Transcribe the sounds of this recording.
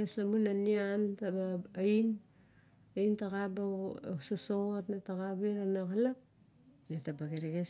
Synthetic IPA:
eslamunaniantabajn | aintaɣabasosoɣotnataɣabeɾanaɣalap | netabaɡeɾeɡes

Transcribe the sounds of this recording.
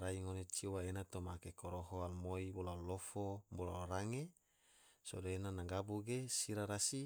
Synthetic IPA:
ɾaiŋonet͡ʃiwaenat̪omakekoɾoɦoalmoibolalofobolaoɾaŋe | so̰daenanaŋɡabuɡesiɾaɾasi

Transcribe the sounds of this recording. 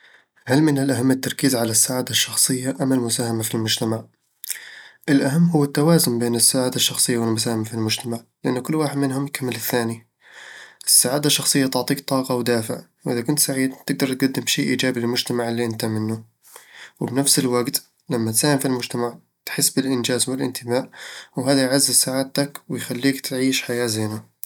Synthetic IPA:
halmɪnɪlʔaɦamːɪt̪ːɑɾˤkiːzʕalasːaʕaːd̪aʃːɑxsˤɨjːaʔamːalmʊsaːhamafilmʊd͡ʒt̪amaʕ | ʔɪlʔaɦamːɦʊwːat̪ːawaːzʊmbeːnɪsːaʕaːd̪aʃːɑxsˤɨjːawɪlmʊs̬aːhɪmafilmʊd͡ʒt̪amaʕlɪʔanːʊkʊlːwaːħɪd̪mɪnɦʊmjkamːɪlɪθːaːni | ʔɪsːaʕaːd̪aʃːɑxsˤɨjːat̪ʊʕt̪ˤiːkt̪ˤɑːqɑwd̪aːfɪ̰ʕwʔɪðakʊnt̪saʕiːd̪t̪ɪɡ̚d̪ɑɾˤt̪̚ɡad̪ːɪmʃiːʔiːd͡ʒaːbilɪlmʊd͡ʒt̪amaʕɪlːiʔɪnt̪amɪnːu | wɪbnafsɪlwaɡt̪ | lamːat̪saːhɪmfilmʊd͡ʒt̪amaʕ | t̪ħɪsːbɪlʔɪnd͡ʒaːzwɪlʔɪ̰nt̪ʰɪbaːʔwɦaːðajʕazːɪzsaʕaːt̪akwɪjxalːiːkt̪ʕiːʃħajaːzeːna

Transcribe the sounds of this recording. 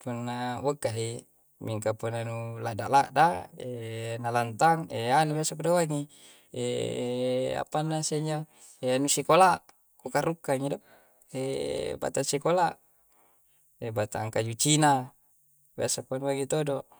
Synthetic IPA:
punːawəkːaɦi | miŋkapunːanulaʔda̰ʔlaʔdaenalant̪aŋeanubjasakodowaŋi | e | a̰panːaseɲd͡ʒa | eanusikolaʔ | kokarukːaŋido | eba̰t̪ansikolaʔ | ebat̪a̰ŋkad͡ʒut͡ʃina | bjasakuanuwaŋit̪odoʔ

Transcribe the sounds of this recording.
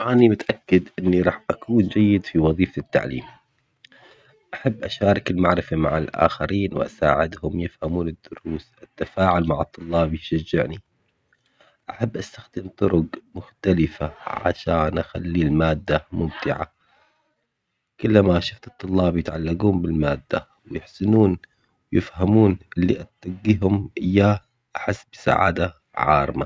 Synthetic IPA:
ʔaːnimʊt̪ʔakːɪd̪ʔɪnːiɾˤɑːħʔakuːnd͡ʒajːɪd̪fiwɑðˤiːfat̪ːa̰ʕlḭːm | ʔaħabːʔaʃaːɾˤɑkɪlmaʕɾɪfamaʕɪlʔa̰ːxaɾiːnwɪ̰ʔa̰sa̰ːʕɪd̪hʊmjɪfhamuːnɪd̪ːʊɾuːsʔɪt̪ːafaːʕʊlmaʕɑt̪ˤːʊlːɑːbjɪʃad͡ʒːɪʕni | ʔaħabːʔast̪axd̪ɪmt̪ˤʊɾʊqmʊxt̪alɪfaʕa̰ʃaːnʔaxa̰lːiːlmaːd̪ːamʊmt̪ɪʕa̰ | kʊlːamaʔʃʊft̪ɨt̪ˤːʊlːɑːbjɪt̪ʕalːaɡuːmbɪlmaːd̪ːa | wjɪħsɪnuːn | wjɪfhamuːnʔɪlːiʔat̪ːaɡːiɦʊmʔɪjːaː | ʔaħɪsːbɪ̥sa̰ʕa̰ːd̪a | ʕɑ̰ːɾˤma

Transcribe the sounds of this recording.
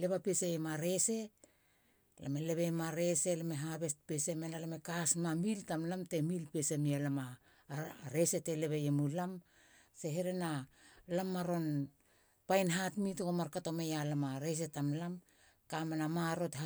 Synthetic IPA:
le̞βapeseemaɾe̞se̞ | la̰mele̞βemaɾe̞se̞lameɦaβe̞spese̞menalamekasmamiltamlamte̞milpe̞semialama | ɾe̞se̞te̞le̞βejemulam | se̞ɦeɾe̞nalamːaɾo̞n | pajnɦatmitokomaɾkato̞mejalamaɾe̞s̬e̞tamlam | kamenamaɾotha

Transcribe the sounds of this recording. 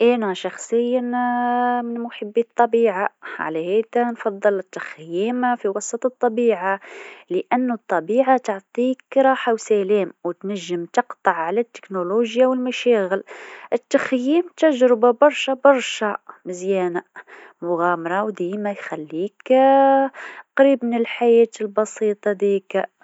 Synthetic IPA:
ʔænæʃɑxsˤəjːa | mɪnmʊħəbːit̪ˤːɑbiːʕaʕa̰læhæd̪ænfɑd̪ˤːɨlət̪ːaxjiːmfiwɑsˤɑt̪ˤət̪ˤːɑbiːʕaləʔænːt̪ˤːɑbiːʕat̪oʕt̪ˤikɾˤɑːħawsælæːmwət̪næʒːəmt̪ɑqt̪ˤɑʕʕalæt̪ːɪ̥knoloʒjawəlmæʃæːɣɪlʔɪt̪ːaxjiːmt̪aʒɾɪbabɑɾˤʃabɑɾˤʃamɪzjæːnamʊɣaːmɑɾˤɑwd̪iːmæjxælːiːk | qɾiːbmɪnɪlħajɛːt̪ɪlbɑsiːt̪ˤɑd̪iːk

